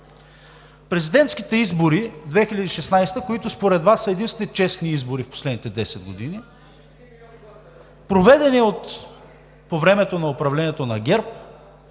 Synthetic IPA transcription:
pɾɛzid̪ɛnt̪skit̪ɛizboɾid̪vɛxilʲɐd̪iːʃɛsnajst̪əkoit̪ʊspoɾɛd̪vasːəɛd̪inst̪vʲɛnit͡ʃɛsniizboɾifpo̥slɛd̪nit̪ɛd̪ɛsɛd̪̚ɡod̪ini | pɾovɛd̪ɛniot̪ | povɾɛmɛt̪onɐopɾɐvlɛniɛt̪onɐɡʲɛɾp̚

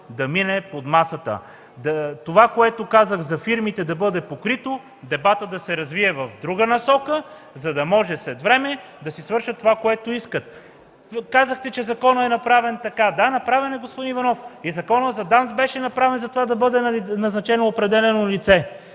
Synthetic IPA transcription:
d̪ɐminɛpod̪masət̪ə̰ | t̪ovakoɛt̪okazəɣzɐfiɾmit̪ɛd̪ɐbɤd̪ɛpokɾit̪o | d̪ɛbat̪əd̪ɐsɛɾɐzviɛvɐvd̪ɾuɡənɐsɔkə | zɐd̪ɐmɔʒɛslɛt̪vɾɛmɛ | d̪ɐsisvɤɾʃət̪ːovakoɛt̪oiskət̪̚ | kazəxt̪ɛt͡ʃɛzɐkɔnəɛnɐpɾavɛnt̪ɐkad̪anɐpɾavɛnɛɡospod̪inivɐnɔfizɐkɔnəzɐd̪ansbɛʃɛnɐpɾavɛnzɐt̪ovad̪ɐbɤd̪ɛnnɐznɐt͡ʃɛnoːpɾɛd̪ɛlɛnonlit̪sɛ

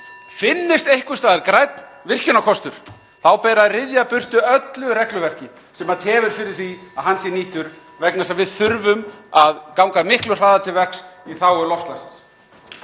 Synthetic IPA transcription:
fɪnːɪst̪ejhkʏst̪aːðɪɾkɾajt̪nvɪr̥cʏnakʰɔst̪ʏɾ̥ | θawpɛːɾaðrɪðjapʏr̥t̪ʏœt̪lʏɾɛhklʏvɛr̥cɪ | sɛmat̪ʰɛːvʏɾ̥fɪɾɪɾ̥θiaðɦanːsjɛniːht̪ʏɾ | vɛknasavɪðθʏɾvʏmaðkawŋkamɪhklʏ̥r̥aːðat̪ʰɪlvɛksiθawɛɾlɔft̪lasɪ̥s

